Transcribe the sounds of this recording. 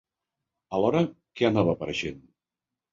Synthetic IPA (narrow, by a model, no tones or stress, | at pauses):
əlɔɾə | kɛanaβəːpəɾəʃen